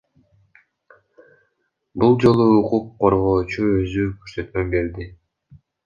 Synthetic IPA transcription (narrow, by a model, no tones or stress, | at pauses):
bulˠd͡ʒo̞lˠuːquqʰːo̞ɾʁo̞ːt͡ʃuø̞zykʰyɾsø̞t̪mømbe̞ɾd̪i